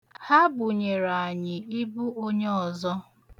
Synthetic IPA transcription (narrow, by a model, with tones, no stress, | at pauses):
ha˦bʊ˨ɲe˨ɾa˨a˨ɲɪ˨ɪ˦bu˦o˦ɲe˦ɔ˨zɔ˦